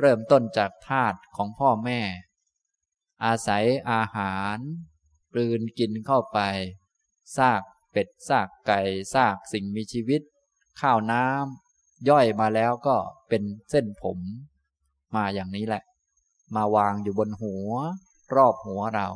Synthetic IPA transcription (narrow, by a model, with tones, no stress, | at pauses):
ɾɤː˥˩mt̪o˥˩nt͡ɕaː˨˩k̚t̪ʰaː˥˩t̪̚kʰɔː˩˦ŋpʰɔː˥˩mɛː˥˩ | ʔaː˧sa˩˦jʔaː˧haː˩˦n | klɯː˧nki˧nkʰa˥˩wpa˧j | saː˥˩k̚ | pe˨˩t̪̚saː˥˩kːa˧jsaː˥˩k̚si˨˩ŋmiː˧t͡ɕʰiː˧wi˦˥t̪̚ | kʰaː˥˩wnaː˦˥m | jɔ˥˩jmaː˧lɛː˦˥wkɔː˥˩pe˧nse˥˩npʰo˩˦mː | aː˧jaː˨˩ŋniː˦˥lɛ˨˩ʔ | maː˧waː˧ŋjuː˨˩bo˧nɦu˩˦ɐ | ɾɔː˥˩p̚hu˩˦ɐɾa˧w